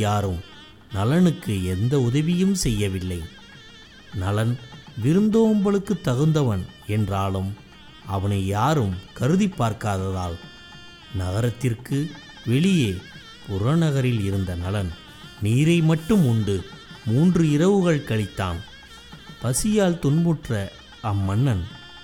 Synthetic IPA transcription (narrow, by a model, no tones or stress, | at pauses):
jaːɾɯm | nɐlɐnɯkːɯɛnd̪ɐʊðɐʋɪjɯmsɛjːɐʋɪlːɐɪ | nɐlɐnʋɪɾɯnd̪oːmbɐɭɯkːɯt̪ːɐɣɯnd̪ɐʋɐn | ɛndraːlɯm | ɐʋɐnɐɪjaːɾɯmkɐɾɯðɪpːaːɾkaːðɐðaːl | nɐɣɐɾɐt̪ːɪrkɯ | ʋɛɭɪjeː | pʊɾɐnɐɣɐɾɪlɪɾɯnd̪ɐnɐlɐn | niːɾɐɪmɐʈːɯmʊɳɖɯ | muːndrɯɪɾɐʋɯɣɐɭkɐɭɪt̪ːa̰ːn | pɐsɪjaːlt̪ʊnmɯʈrɐ | ɐmːɐnːɐn